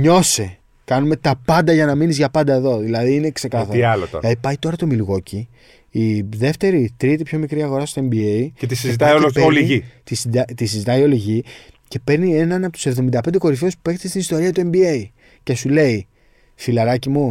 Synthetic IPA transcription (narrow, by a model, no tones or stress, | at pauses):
ɲo̞se | kɐnume̞t̪ɐpɐnd̪ɐʝɐnɐminizʝɐpɐnd̪ɐe̞ðo̞ðilɐðiːne̞kse̞kɐθɐɾiɐloo̰lɐðipɐjt̪o̞ɾɐt̪o̞milɣo̞ciː | ðe̞ft̪e̞ɾit̪ɾit̪ipço̞mikɾiɐɣo̞ɾɐst̪oembieiet̪isizit̪ɐoeoliʝit̪isid̪ɐt̪isizit̪ɐio̞liʝice̞pe̞ɾnie̞nɐnɐpot̪use̞vðo̞mind̪ɐpend̪e̞ko̞ɾifeuspupe̞kt̪ist̪inist̪o̞ɾiɐt̪ue̞mbie̞i | ce̞sule̞i | filɐɾɐcimu